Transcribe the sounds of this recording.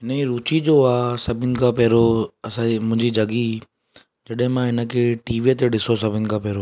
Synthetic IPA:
ɦɪnəiɾuːt͡ɕid͡ʑoaːsɐbʱɪnɪ̆kʰãpɛɦɾoɐsãmʊ̃ɦɪ̃ɲd͡ʑid͡ʑʱɐɡi | d͡ʑɐɗəɦɪ̃mãɦɪnə̆kʰeʈiːʋiət̪eɗɪsosɐbʱɪnɪ̆kʰãːpɛɦɾo

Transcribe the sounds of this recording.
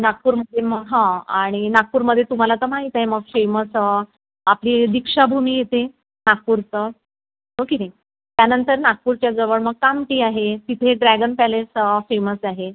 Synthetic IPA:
nak̚puːɾməd̪ʱːjeməɡɦãaɽ̃inak̚puːɾməd̪ʱːjet̪um̤alat̪əːm̤aɦit̪aɦeməɡfeməs | apliːd̪ikʂabʱumiːjet̪e | nak̚puɾt͡sə | okenai | t̪janənt̪əɾnak̚puːɾt͡ɕjad͡zəʋəɭməɡ̚kamʈiːaɦet̪it̪ʰeɖɾæɡənpælesfeməsaɦe

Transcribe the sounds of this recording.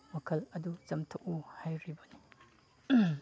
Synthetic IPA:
mɐkʰɐlɐdut͡ʃɐmtʰuk̚uhajɾibɐni

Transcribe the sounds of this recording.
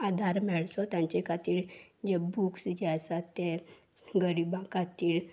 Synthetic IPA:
ad̪ʱaɾmɛɭsɔt̪jãɲt͡ɕɛkat̪iːɭd͡ʑebuksd͡ʑɛsat̪ːe | ɡəɾibãkʰat̪iːɭ

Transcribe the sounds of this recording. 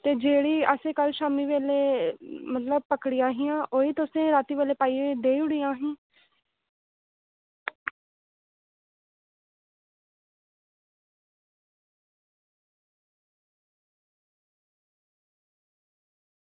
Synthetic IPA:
t̪eːd͡ʒeːɽiːəsẽːkəlʃaːmiːʋeːleːmət̪ləb̚pəkɽijãːɦijãːʔoːiːt̪ʊsẽːɾaːt̪iːʋeːleːpaːiːed̪eːiʊɽiːãːɦĩː

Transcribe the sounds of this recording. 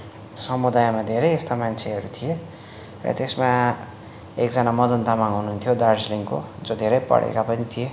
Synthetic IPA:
sʌmud̪ajmad̪ʱeɾʌjest̪amant͡sʰeɦʌɾut̪ʰije | rʌ̰t̪esma | ek̚d͡zʌnamʌd̪ʌnt̪amaŋɦunuunt̪ʰjod̪arsliŋko̰d͡zod̪ʱeɾʌjpʌ̰ɽ̤ḛkapʌnit̪ʰije

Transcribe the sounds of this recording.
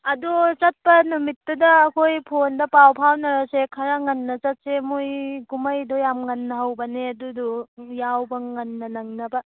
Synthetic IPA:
ɐdut͡ʃɐt̚pɐnumitːɐdɐːkʰojpʰondɐpawpʰawnɐɾasekʰɐɾaŋɐnːɐt͡ʃɐt̚semojɡumɐjdojamŋɐnːɐɦɐwbɐneɐdudojawbɐŋɐnːɐnɐŋnɐbɐ

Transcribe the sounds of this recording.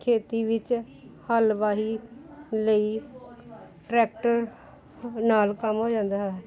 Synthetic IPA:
kʰeːt̪iːʋɪt͡ʃ | həlʋaːɦi | ləiː | ʈɾɛːk̚ʈəɾ | naːlkəmɦoːd͡ʒãːnd̪aːɦɛː

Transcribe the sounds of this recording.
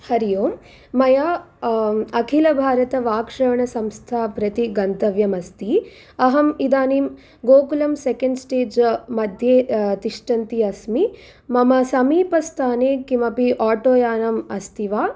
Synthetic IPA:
hɐɾijoːm | mɐja | ɐkʰilɐbʱaːɾɐt̪ɐʋaːkʂɐʋɐɳɐsɐmst̪ʰaːpɾɐt̪iɡɐnt̪ɐʋjɐmɐst̪i | ɐɦɐmid̪aːnim | ɡoːkulɐmsekɐɳɖsʈeːd͡ʒmɐd̪ʱjeːt̪iʂʈɐnt̪iɐsmi | mɐmɐsɐmiːpɐst̪ʰaːneːkimɐpiʔaːʈoːjaːnɐmɐst̪iʋaː

